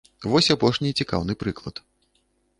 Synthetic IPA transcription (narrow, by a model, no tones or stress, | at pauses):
vɔsʲapɔʂnʲit͡sʲika̰wnɨpɾɨklˠɐt̪